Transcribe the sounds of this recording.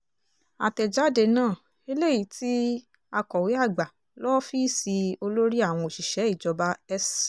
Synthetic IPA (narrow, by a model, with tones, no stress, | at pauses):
a̰˨tɛ˨d͡ʒa˨˦˨de˧nãː˦˨ | e˧le˦˨i˨˦tʰi˦ | a˧kɔ˨wi˨˦a˦˨ɡ͡ba˨ | lɔ˦fi˦˨si˧o˧lo˦ɾi˦a˦˨w̃ɔ̃˧o˨ʃi˨ʃɛ˨˦i˦˨d͡ʒɔ˧ba˧ɛ˦s